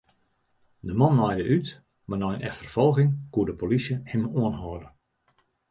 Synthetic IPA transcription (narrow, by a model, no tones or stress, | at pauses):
dəmɔnːɔjdəʔyt | manɔjənʔɛxtərfɔlˠɣɪŋkuədəpolisjəhɪmuənɦɔədə